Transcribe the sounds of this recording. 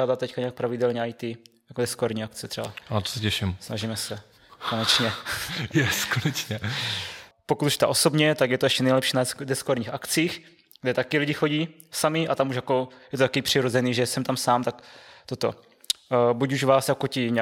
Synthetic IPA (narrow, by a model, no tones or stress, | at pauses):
aːdat̪t̪ɛckaɲɛak̚pɾavɪdɛlɲɛajt̪ijakodɛskoaɾɲiːaktt͡sɛt̪r̥ɛba̰at̪o̥sɛcɛʃɪmsna̰ʒimɛsɛ | konɛt͡ʃɲɛjɛskonɛt͡ʃɲɛ | pokut̪uʃt̪a̰ʔo̞so̞bɲɛt̪akjɛt̪oɛʃcɛnɛjlɛpʃiːnadɛskoaɾɲiːxakt͡siːx | ɡdɛt̪akɪlɪɟɪxoɟiː | samɪʔat̪amuʃjako̞jɛt̪ot̪akipr̥ɪɾo̞zɛniːʒɛsɛmt̪amsaːmt̪akt̪ot̪o | bucuʒvaːsjakocɪɲ